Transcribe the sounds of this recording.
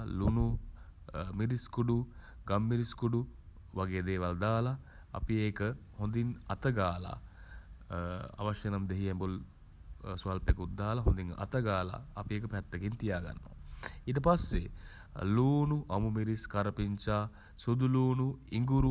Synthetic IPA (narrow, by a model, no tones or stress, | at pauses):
lunu | miɾiskuɖu | ɡamːiɾiskuɖu | ʋaɡeːd̪eːʋald̪aːla̰ː | piekəhond̪inɐt̪əɡaːla̰ | a̰ʋɐʃɐnɐmd̪eɦiɛmbul | sʋalpekut̪ːaːlaɦond̪iŋɐ̰t̪əɡaːla̰ːpiek̬əpɛt̪ːəkint̪ijaːɡa̰nːo̰itəpasːe | luːnuʔamumiɾiskaɾəpiɲt͡ʃaː | sud̪uluːnuiŋɡuɾu